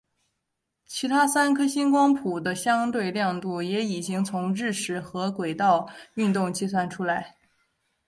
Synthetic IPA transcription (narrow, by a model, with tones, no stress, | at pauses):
t͡ɕʰi˧˥t̪ʰa˥sa˥nkʰɤ˥ɕi˥nkwɑ˥ŋpʰu˨˩d̪ə˦ɕjɑ˥ŋt̪we˥˧ɪljɑ˥˧ŋt̪u˥˩jɛ˧˥i˨˩t͡ɕi˥ŋt͡sʰʊ˧˥ŋɻɻ̩˥˩ʂʰɻ̩˧˥xɤ˧˥kwe˨˩ɪt̪ɑ˥˩˧ʊy˥˧nt̪ʊ˥˧ŋt͡ɕi˥˧s̬wa˥˩nʈ͡ʂʰu˥la˧˥ɪ